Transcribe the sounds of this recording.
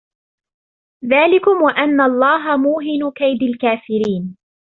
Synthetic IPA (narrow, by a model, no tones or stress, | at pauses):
ðaːlɪkʊmwaʔanːaʔɑlˤːɑːɦamuːɦɪnʊkajd̪alkaːfɪɾiːn